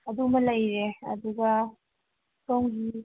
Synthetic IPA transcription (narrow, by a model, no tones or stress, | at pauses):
ɐd̪umɐlɐjɾeɐ̰d̪uɡɐ | kowŋɡi